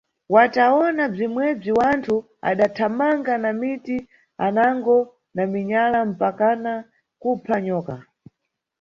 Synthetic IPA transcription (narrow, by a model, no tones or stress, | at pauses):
wataɔnab͡ʐimwɛb͡ʐiwantʰu | a̰ɗatʰamaŋɡanamiti | anaŋɡɔ | namiɲalam̩pakana | kupʰaɲɔːka